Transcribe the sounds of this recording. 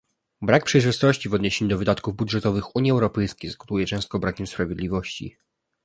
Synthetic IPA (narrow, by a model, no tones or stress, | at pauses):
bɾak̚pʂɛjʐɘst̪ɔɕt͡ɕivɔd̪ɲeɕeɲud̪ɔvɘd̪at̪kuvbudʐɛt̪ɔvɘxuɲjiɛwɾɔpɛjskʲejzɡɔt̪ujɛt͡ʂɛ̃st̪kɔbɾakʲɛmspɾavʲjed̪lʲivɔɕt͡ɕḭ